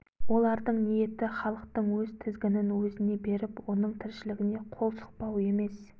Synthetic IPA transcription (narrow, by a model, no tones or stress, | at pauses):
wolˠɑɾd̪əɴnije̞t̪ɪχɑlˠəq̚t̪əɴwɵzt̪ʰɪzɡʲɪnɪnwɵzɪne̞be̞ɾɪpwo̞nəɴt̪ʰɪɾʃɪlɪɡʲɪne̞qʰo̞lˠsə̥q̚pɑwe̞me̞s